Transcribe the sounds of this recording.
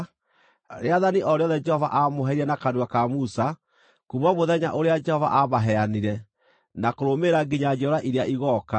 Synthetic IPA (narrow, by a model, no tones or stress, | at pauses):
ɾeaðaniʔɔɾeɔðɛd͡ʒɛhɔvaʔamoɦɛɾiɾɛnakanwakamusa | kumamoðɛɲa̰ʔoɾead͡ʒɛhɔva̰ʔamaɦɛaniɾɛ | nakoɾomeɾaɡiɲad͡ʒɛɔɾaʔiɾjaʔiɣɔka